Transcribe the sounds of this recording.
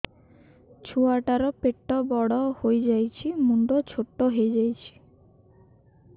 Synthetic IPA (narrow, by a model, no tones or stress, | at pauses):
t͡ɕʰuaʈaɾopeʈːobɔɽohojd͡ʑajt͡ɕʰimuɳɖot͡ɕʰoʈːoɦejd͡ʑajt͡ɕʰi̥